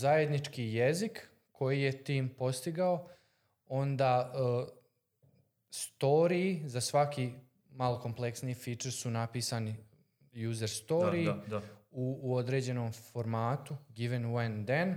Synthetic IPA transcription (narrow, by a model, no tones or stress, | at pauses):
zaje̞d̪nit͡ʃkijezik | kʰo̞jije̞t̪iːmpo̞st̪iɡao | o̞nd̪aː | st̪o̞ɾiːzasʋaki | maloko̞mple̞ksniːfiːt͡ʃeɾsunapiːsani | juːze̞ɾst̪o̞ɾi | uːod̪ɾe̞d͡ʑe̞no̞ːmfo̞ɾmaːt̪uɡiʋenuend̪en